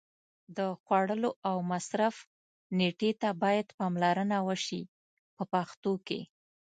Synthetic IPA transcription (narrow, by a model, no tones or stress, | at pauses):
d̪əxwaɽəloawmasɾaf | neʈet̪abɑjad̪pɑmlaɾənawəʃi | pəpaxt̪okḛ